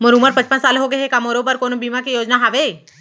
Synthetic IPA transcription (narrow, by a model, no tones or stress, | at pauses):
məɾuməɾpə̃t͡ʃpənsaːlɦoɡeɦekamoɾobəɾkoːnobimakejoːd͡ʒnaɦaʋe